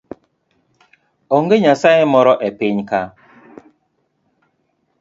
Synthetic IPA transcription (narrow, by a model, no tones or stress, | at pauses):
oŋɡeɲasajemɔɾɔʔɛpɪɲka